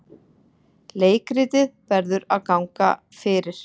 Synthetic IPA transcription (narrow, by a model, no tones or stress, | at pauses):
leːjkɾɪːt̪ɪðpɛɾðʏɾaðkawŋka̰ | fɪːɾɪɾ̥